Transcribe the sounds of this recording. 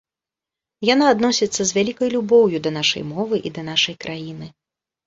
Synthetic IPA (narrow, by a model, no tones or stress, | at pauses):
janaːd̪nɔsʲit̪sːɐzʲvʲalʲikɐjlʲubɔwjud̪ɐnaʂɐ̰jmɔvɨʔid̪ɐnaʂɐjkɾʔajinɨ